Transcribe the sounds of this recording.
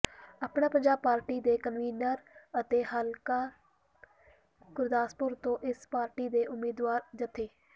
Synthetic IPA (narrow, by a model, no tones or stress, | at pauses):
aːpɳaːpəɲd͡ʒaːb̚paːɾʈiːd̪eːkənʋiːnəɾət̪eːhəlkaː | kʊɾd̪aːspʊɾt̪õːʔɪspaːɾʈiːd̪eːʔʊmːiːd̪waːɾd͡ʒ̪ɪt̪ʰːeː